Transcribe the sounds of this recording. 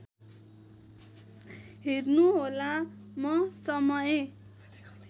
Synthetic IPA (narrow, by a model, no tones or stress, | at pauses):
ɦernuɦolamʌsʌmʌje